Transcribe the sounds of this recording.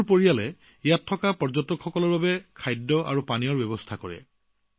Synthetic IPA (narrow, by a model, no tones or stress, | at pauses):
poɹijalɛ | ijatʰːɔkapɔɹzɔtɔkxɔkɔlɔɹbabɛkʰajdːɔʔa̰ɹupanijɔɹbɛbɔstʰakɔɹɛ̰